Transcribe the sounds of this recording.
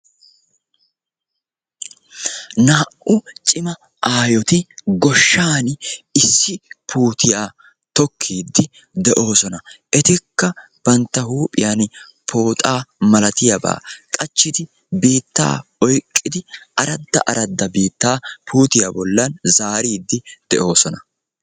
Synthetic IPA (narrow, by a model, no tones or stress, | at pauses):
naːʔʊt͡ʃʼɪmɐ | aːjɔt̪ɪɡɔʃːaːnɪsːɪpʰuːt̪ʰɪjaː | t̪ɔkʰːiːd̪ːɪ | d̪ɛʔo̞ːsɔnɐ | ɛt̪ɪkːɐ | b̥ɐnt̪ːɐhuːpʼɪ̰jan | pʰo̞ːt̪ʼaːmɐlɐt̪ɪjɐba̰ːkʼɐt͡ʃːɪt̪ɪ | biːt̪ːa̰ːɔjkʼːɪd̪ɪʔɐɾɐd̪ːɐ̰ʔɐɾɐd̪ːɐbiːt̪ːaːpʰuːt̪ɪjabɔlːɐnzaːɾiːd̪ːɪd̪̥ɛʔo̞ːsɔnɐ